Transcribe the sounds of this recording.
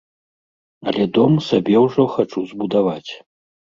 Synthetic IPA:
ɐlʲɛd̪ɔmsabʲɛwʐɔxat͡ʂuzbud̪avat͡sʲ

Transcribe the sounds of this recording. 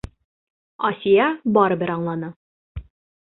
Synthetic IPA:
ɒsʲijɑbɒɾɤ̆bɘɾɑɴlˠɑnɤ

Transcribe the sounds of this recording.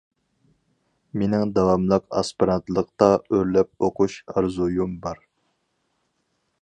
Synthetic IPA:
menɪŋd̪ɑwɑmlˠɑqɑ̰spɨɾɑnt̪lˠəq̚t̪ɑøɾlɛp̚oqʰuʃɑɾzujumbɑɾ

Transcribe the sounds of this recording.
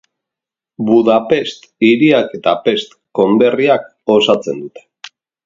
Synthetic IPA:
buðape̞st̪iɾiake̞t̪ape̞st̪ | ko̞nd̪e̞riak | o̞sat͡se̞nd̪ut̪e̥

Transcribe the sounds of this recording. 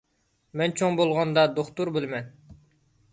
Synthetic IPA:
mɛnt͡ʃʰoŋbolˠʁɑnd̪ɑd̪oχt̪uɾbɪlmɛn

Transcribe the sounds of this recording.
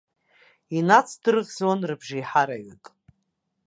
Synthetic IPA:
inat͡sʰdɨrɨʁʲd͡zwanrɨbʒiħaɾaɥykʼ

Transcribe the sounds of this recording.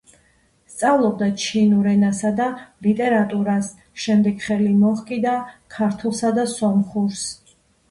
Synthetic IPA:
st̪sʼavlˠɔbd̪at͡ʃʰinuɾɛnasad̪alit̪ʼɛɾat̪ʼuɾas | ʃɛmd̪ɛɡχɛlimɔχkʼid̪akʰaɾt̪ʰulˠsad̪asɔmχuɾs

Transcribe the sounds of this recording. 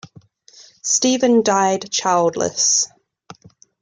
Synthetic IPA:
stiːvə̃ndaɪdt͡ʃʰaɪlˠdˡlə̰s

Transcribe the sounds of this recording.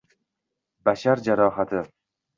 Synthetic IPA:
baʃaɾd͡ʒaɾɒɦat̪ʰɪ

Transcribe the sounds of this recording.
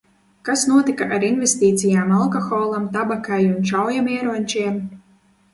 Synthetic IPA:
kasnuɔt̪ikaʔaɾinvʲest̪iːt̪sijaːmalˠkɔxɔːlˠamt̪abakajunʃawjamɛɛɾonʲt͡ʃiɛm

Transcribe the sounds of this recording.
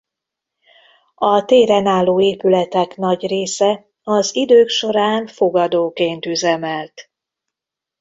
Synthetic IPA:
ɒt̪eːɾɛnaːlːoːeːpylɛt̪ɛkn̪ɒɟreːsɛ | ɒzid̪øːkʃo̞ɾaːnfo̞ɡɒd̪oːkeːnt̪yzɛmɛlt̪

